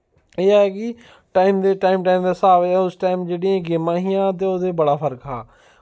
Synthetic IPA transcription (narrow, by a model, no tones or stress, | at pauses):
eːɛːkɪ | ʈaːiːmd̪eːʈaːimʈaːiːmd̪eːsaːʋeɛʊsʈaːimd͡ʒeːɽĩːãɡeːmãːɦiːãːt̪̬eːoːd̪eːbəɽaːpʰəɾkɦaː